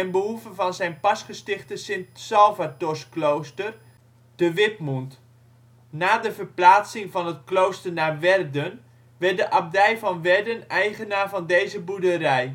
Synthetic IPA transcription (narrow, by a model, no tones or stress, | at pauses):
ɛnbəɦuvəvɔnzɛjnpɑsχəstɪχtəsɪntsɔlˠvatɔrsklowstər | d̥əʋɪtmunt | naːdəvərplaːt͡sɪŋvɑnətklowstərnaʋɛrdən | ʋɛrt̚dəʔap̚dɛjvɔnʋɛrdənɛjχənaːvɑndejzəbudəɾɛj